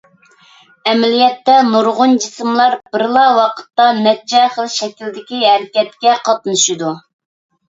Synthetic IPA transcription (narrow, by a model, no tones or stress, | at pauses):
ɛmɛlijɛt̪ːɛnuɾʁʊnd͡ʒisɨmlˠɑɾbɪɾlˠɑwɑqʰə̥t̪ːɑnɛd͡ʒɛχəlˠʃɛkʲild̪ɪkʲiɦæɾɪkʲɛt̪kʲɛqʰɑt̪nɨʃɨd̪u